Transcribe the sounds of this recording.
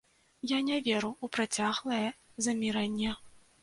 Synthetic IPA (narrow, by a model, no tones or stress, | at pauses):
janʲɛvʲɛɾuupɾat͡sʲaɣlˠɐjɛzɐmʲiɾɐnʲːɛ